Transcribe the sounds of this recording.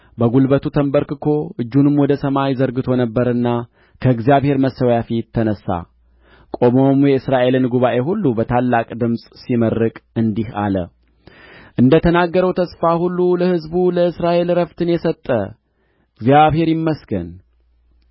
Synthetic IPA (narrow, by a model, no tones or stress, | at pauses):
bəɡulbət̪ʰut̪ʰəmbəɾkɨkʰo̞ʔɨd͡ʒːunɨmwɔd̪əsəmajzəɾɡɨt̪ʰo̞nəbːəɾɨnːa | kʰəɨɡzijaβhe̞ɾməsəwjafit̪ʰːənəsːa̰ | kʼo̞mo̞mjɛɨsɾaʔe̞lɨnɡuβaʔe̞ɦulːubət̪ʰalːakʼd̪ɨmsʼsimərːɨkʼɨnd̪iha̰lə̰ | ʔɨnd̪ət̪ʰənaɡːəɾəwt̪ʰəsfahulːuləhɨzbuləɨsɾaʔe̞lɾəft̪ʰɨnjɛsət̪ʼːə̰ | ɡzjaβhe̞ɾjɪmːəsɡən